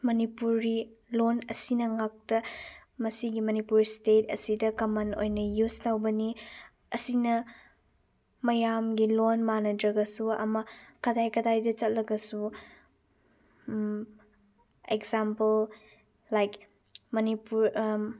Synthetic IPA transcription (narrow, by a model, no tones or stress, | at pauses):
mɐnipuɾːilonɐsinɐŋak̚tɐmɐsiɡimɐnipuɾstetʰɐ̰sidɐkɐmɐno̰jnɐjustawbɐni | ɐsinɐ | mɐjamɡilonmanɐdɾɐɡɐsuɐ̰mɐkɐdajkɐdajdɐt͡ʃɐt̚lɐɡɐsu | ekzampɐl | lajk | mɐnipuɾ